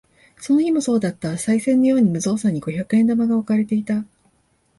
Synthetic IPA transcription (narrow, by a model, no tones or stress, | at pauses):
so̞no̞çʲimo̞so̞ːd̪at̪ːasaisẽ̞nːo̞jo̞ːɲ̟imɯ̟zo̞ːsãɲ̟ːiɡo̞çakɯ̟ẽ̞nd̪amaɡaokaɾe̞t̪e̞it̪a